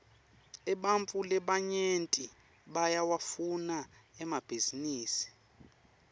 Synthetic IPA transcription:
ɛɓaɱfʼulɛɓaɲentʼi | ɓajawafunaɛmab̥ʱiziniːsi̥

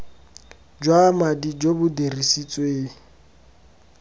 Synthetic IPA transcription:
d͡ʒwamadid͡ʒobʊderisit͡sʼweːŋ̩

